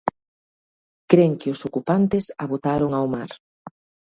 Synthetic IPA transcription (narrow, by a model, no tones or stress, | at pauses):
kɾeŋkɪʊsokupant̪ɪsaβot̪aɾoŋawmaɾ